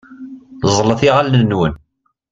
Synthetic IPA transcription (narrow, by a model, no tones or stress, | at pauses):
zˤləθiʁalnəːwən